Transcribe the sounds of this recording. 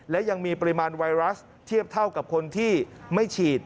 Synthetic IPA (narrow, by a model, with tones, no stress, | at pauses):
lɛ˦˥ja˧ŋmiː˧pa˧ɾi˦˧maː˧nwa˧jɾa˦˥s | t̪ʰi˥˩əp̚t̪ʰa˥˩wka˨˩p̚kʰo˧nt̪ʰiː˥˩ma˥˩jt͡ɕʰiː˨˩t̪̚